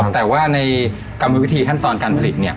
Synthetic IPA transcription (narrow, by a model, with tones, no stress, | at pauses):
t̪ɛː˨˩waː˥˩na˧j | ka˧mːa˧wi˦˥t̪ʰiː˧kʰa˥˩nt̪ɔː˧nkaː˧npʰa˧li˨˩t̪̚ni˥˩ɐ